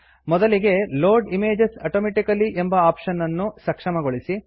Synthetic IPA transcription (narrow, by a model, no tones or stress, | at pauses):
mɔd̪ɐliɡe̞loːɾɖimeːd͡ʒesɐʈoːmeːʈikɐliʔembɐaːpʂɐnːɐnːusɐkʂɐmɐɡoɭisi